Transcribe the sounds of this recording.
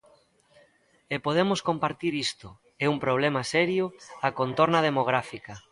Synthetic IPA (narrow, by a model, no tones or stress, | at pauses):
epoð̞emoskompaɾt̪iɾist̪ʊ | ɛumpɾoβ̞lemɐsɛɾjʊakont̪oɾnɐð̞emoɣ̞ɾafikɐ